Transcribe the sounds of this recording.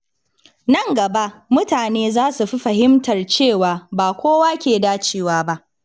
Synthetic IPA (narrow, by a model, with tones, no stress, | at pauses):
nɐ˦˨ŋɡɐ˨ba˦ʔmʊ˦taː˨neː˦zaː˦su˨ɸi˦ɸɐ˨ɦɪ˦mtɐ˨rt͡ʃeː˦˨waː˨baː˨kʷoː˦waː˦kʲeː˨daː˦t͡ʃeː˨waː˦ba˦ʔ